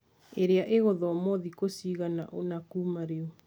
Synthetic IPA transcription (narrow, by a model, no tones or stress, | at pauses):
eɾeaʔeɣɔðɔɔmɔðikosiɣana̰ʔonakumaɾeɔ